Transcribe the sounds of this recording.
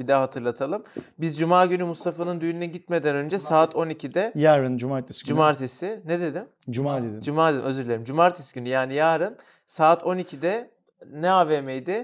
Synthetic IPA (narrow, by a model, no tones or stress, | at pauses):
bid̪ɛɦat̪ʰɯɾlˠat̪ʰalˠɯmbizd͡ʒumaːɟynymust̪ʰafanɯnd̪yjnynɛɟit̪me̞d̪ænø̞nd͡ʒɛsaːt̪ʰo̞nicʰid̪ɛjæɾɾɯnd͡ʒumaːɾt̪ʰesd͡ʒumaɾt̪ʰesɪned̪e̞d̪im | d͡ʒumad̪ed̪id͡ʒumaːd̪ed̪imø̞zyɾlʲeɾʲimd͡ʒumaɾt̪ʰesi̥ɟynyjaːnijaːɾɯn | saːt̪ʰo̞nicʰid̪ɛ | nɛaːveːmejd̪ɪ